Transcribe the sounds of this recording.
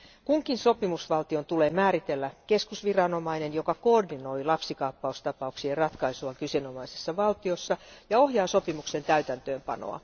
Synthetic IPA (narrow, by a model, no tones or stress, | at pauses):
kuŋkinso̞pimusʋɑlt̪io̞nt̪uleːmæːɾit̪elːæke̞skusʋirɑno̞mɑinenjo̞kɑkoːrdino̞ilɑpsikɑːpːɑust̪ɑpɑuksierrɑt̪kɑisuɑkyseno̞mɑisesːɑʋɑlt̪iosːɑjɑo̞hjɑːso̞pimukse̞nt̪æyt̪ænt̪øːmpɑ̰no̰ɑ̰